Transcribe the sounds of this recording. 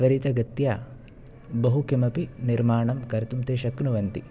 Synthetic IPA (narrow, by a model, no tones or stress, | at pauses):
ʋɐɾit̪ɐɡɐt̪jɐ | bɐɦukimɐpiniɾmaːɳɐmkɐɾt̪umt̪eːʃɐknuʋɐnt̪i